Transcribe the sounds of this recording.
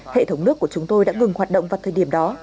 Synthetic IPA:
hḛ˧˨t̪ʰə˨˦wŋ͡mnɨ˦˥əkːu˧˩ət͡ɕʊ˨˦ŋ͡mt̪o˧jɗa̰ː˧˥ŋɨ˨˩ŋhaː˨˩t̚ɗo̰˧wŋ͡mvaː˨˩wt̪ʰəː˨˩jɗi˧˩əmɗɔ˨˦

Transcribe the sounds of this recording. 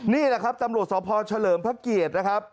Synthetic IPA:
niː˥˩la˦˩kʰa˦˥p̚t̪a˧mɾu˨˩ət̪̚sɔː˩˦pʰɔː˧t͡ɕʰa˧lɤː˨˦mpʰa˦˥˩ki˨˩ət̪̚na˦˥kʰa˦˥p̚

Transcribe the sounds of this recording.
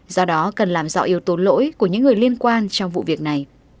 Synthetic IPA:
zɔ˧ɗɔ˨˦kə˨˩nlaː˨˩mzɔ̰˧˥ʔi˨˧˦əwt̪o˨˦nlo̰˧˥jku˧˩əɲɨ̰˧˥ŋːɨ˨˩əjli˧ənkwaː˧nt͡ɕɔ˧wŋ͡mvṵ˧˨vi˨˩ək̚na˨˩j

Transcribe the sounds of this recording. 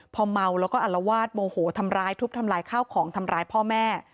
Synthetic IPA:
pʰɔ˧ma˧wlɛː˦˥wkɔː˥˩ʔa˨˩lːa˧waː˥˩t̪̚moː˧hoː˩˦t̪ʰa˧mɾaː˧jt̪ʰu˦˥t̪ʰa˧mɾaː˧jkʰaː˥˩wkʰɔː˩˦ŋt̪ʰa˧mɾaː˧jpʰɔː˥˩mɛː˥˩

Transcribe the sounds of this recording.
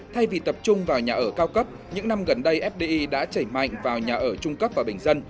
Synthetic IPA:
t̪ʰa˧jvi˨˩t̪ə˨˩p̚t͡ɕʊ˧ŋ͡mvaː˨˩wɲaː˨˩ʔəː˧˩kaː˧wkə˦˥p̚ | ɲɨ̰˧˥ŋna˧mɣə˨˩nɗə˧jʔɛ˦˥p̚ɗe˧ʔi˧ɗa̰ː˧˥t͡ɕəː˧˩jma̰˧˨jŋ̟vaː˨˩wɲaː˨˩ʔəː˧˩t͡ɕʊ˧ŋ͡mkə˦˥p̚vaː˨˩ɓï˨˩ŋ̟zə˧n

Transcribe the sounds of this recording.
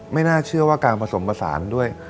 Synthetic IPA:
ma˥˩jnaː˥˩t͡ɕʰɯ˥˩ɐwaː˥˩kaː˧npʰa˧so˩˦mpa˧sa̰ː˩˦ndu˥˩əj

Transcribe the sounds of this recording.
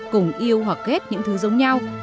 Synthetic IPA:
kʊ˨˧˩ŋ͡mʔi˧əwɦwa˨˩kːe˦˥t̚ɲɨ̰˧˥ŋt̪ʰɨ˨˦zə˨˦wŋ͡mɲa˧w

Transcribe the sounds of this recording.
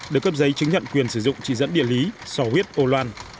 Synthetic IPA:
ɗɨ˧˩əkːə˦˥p̚zə˨˦jt͡ɕɨ˨˦ŋɲə̰˧˨nkwi˨˩ənsɨ˧˩zʊ̰˧˨ŋ͡mt͡ɕḭ˧˩zə̰˧˥nɗḭ˧˨əli˨˦sɔ˨˧˩hwi˦˥ət̚ʔo˧lwaː˧n

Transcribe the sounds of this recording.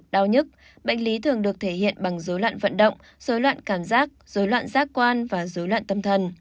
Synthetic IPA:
ɗaː˧wɲɨ˦˥t̚ | ɓa̰˧˨ŋli˨˦t̪ʰɨ˨˩əŋɗɨ˨˩ək̚t̪ʰe˧˩hḭ˧˨ənɓa˨˩ŋzo˨˦lwa̰ː˧˨nvə̰˧˨nɗə̰˧˨wŋ͡m | z̥o˨˦jlwa̰ː˧˨nkaː˧˩mzaː˦˥k̚z̥o˨˦jlwa̰ː˧˨nzaː˦˥kːkwaː˧nvaː˨˩zo˨˦jlwa̰ː˧˨nt̪ə˧mt̪ʰə˨˩n

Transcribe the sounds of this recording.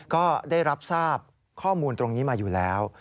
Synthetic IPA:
kɔː˥˩daː˥˩jɾa˦˥p̚saː˥˩p̚ | kʰɔː˥˩muː˧nt̪ɾo˧ŋniː˦˥maː˧juː˨˩lɛː˦˥w

